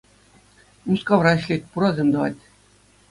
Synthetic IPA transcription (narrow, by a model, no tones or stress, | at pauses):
muskɑʋrɑɕʲlʲetʲpuɾɑzʲemd̪ɤ̆ʋɑ̰tʲ